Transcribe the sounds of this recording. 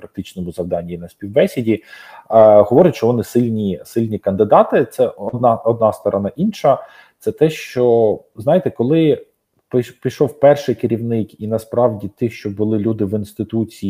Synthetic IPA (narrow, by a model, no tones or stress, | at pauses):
pɾɐk̚t̪ɪt͡ʃnɔmʊzɐwd̪ɑnʲːijinɐsʲpʲiwbɛsʲɪdʲi | ɦɔʋɔɾʲʊt̪ʲt͡ʃɔʋɔnɪsɪlʲnʲisɪlʲnʲikɐnd̪ɪd̪ɑt̪ɪt̪sɛʔɔd̪nɑɔd̪̚nɑst̪ɔɾɔnɑʔinʃɐ | t̪sɛt̪ɛʃt͡ʃɔznɑjet̪ɛkɔlˠɪ | ppʲijʃɔwpɛrʃɪjkɪɾʲiwnɪkinɐspɾɑwdʲit̪ɪxʃt͡ʃɔbʊlˠɪlʲud̪ɪʋinst̪ɪt̪ut͡sʲi